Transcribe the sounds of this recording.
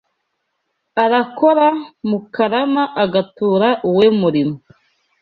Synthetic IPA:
aɾakoɾamukaɾamaʔːɡatuːɾaʔuwemuɾimo

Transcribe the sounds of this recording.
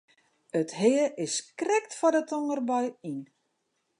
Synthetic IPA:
əthɪəʔɪskrɛktfɔdətoŋərbɔjin

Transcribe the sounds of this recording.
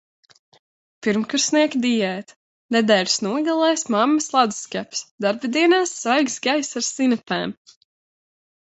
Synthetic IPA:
piɾmkuɾsniɛkd̪ijɛːt̪ | nɛd̪ɛːɾʲsnuɔɡalˠɛjsmamːɐslˠad̪u̥skæpsd̪aɾbɨd̪iɛnaːsːvajɡsɡajsaɾsinapɛ̰ːm

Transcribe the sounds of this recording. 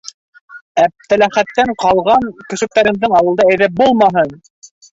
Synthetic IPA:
æp̚t̪ælæχæt̪ːæɴqɑlˠʁɑɴkɵ̆sɵ̆k̚t̪æɾɘ̆mðɤɴɑwɤ̆lˠd̪ɑæjðæp̚bulˠmɑɦɤn

